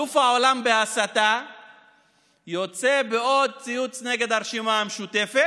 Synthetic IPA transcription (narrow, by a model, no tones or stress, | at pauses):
ufao̞lambeasat̪a | jo̞t͡se̞beo̞d̪̚t͡sijut͡sne̞ɡe̞d̪aʁʃimaameʃut̪e̞fe